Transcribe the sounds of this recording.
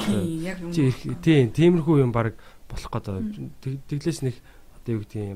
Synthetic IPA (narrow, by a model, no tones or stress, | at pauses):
t͡ɕʰirxt̪ʰeːnt̪ʰiːmɘ̆rxujjʊmpaɾə̆k | pɔɮɞ̆χqɔːt̪ɔt̪ʰeɣɮeːsnex | ɔt̪ewɘ̆k̚t̪ɡi